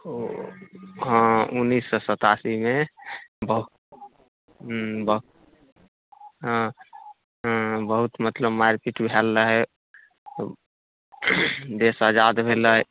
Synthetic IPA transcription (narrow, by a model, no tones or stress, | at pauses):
ɦə̃unːisːɔsət̪asimebəɦu | bə | ɦ | bəɦut̪mət̪ləbmaɾpiʈbʱɛlːəɦɛ | d̪esəd͡ʒad̪bʱeləɦɛ